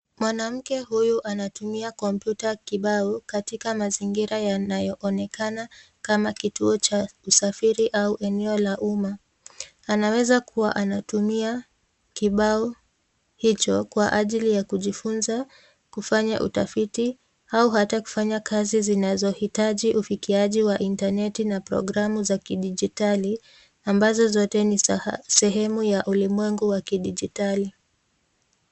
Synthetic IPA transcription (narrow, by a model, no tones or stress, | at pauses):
mwanam̩kɛɦujuʔanatumiakɔm̩pjutakiɓaɔkatikamaziŋɡiɾajanajɔʔɔnɛkana | kamakituɔt͡ʃausafiɾiʔauʔɛnɛɔlaʔumaː | nawɛzakʰuwaʔanatumia | kiɓaɔ | hit͡ʃɔkwaʔaʄilijakuʄifunza | kufaɲaʔṵtafiti | auɦataku̥faɲakʰazizinazɔhitaʄiʔufikiaʄiwaʔintanɛtinapɾɔ̰ɡɾamuzakiɗiʄitali | ambazɔzɔtɛnisɛɦɛmujaʔulimwɛŋɡuwakiɗiʄitali